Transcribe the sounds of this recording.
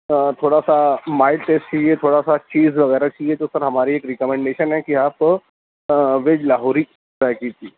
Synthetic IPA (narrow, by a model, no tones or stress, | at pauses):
t̪ʰoɽasamailʈest͡ɕʰijet̪ʰoɽasat͡ɕiːd͡zʋəɡəjɾat͡ɕʰijet̪osəɾɦəmaɾiːekɾikəmeɳɖeɕənɛkiɦapə | ʋed͡ʑlaɦoɾiː | zajkit̪iː